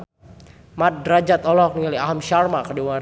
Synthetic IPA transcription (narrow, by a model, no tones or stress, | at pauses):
mat̪̚dɾad͡ʒat̪ɔlɔk̚niŋaliaɦamʃarmakadiwa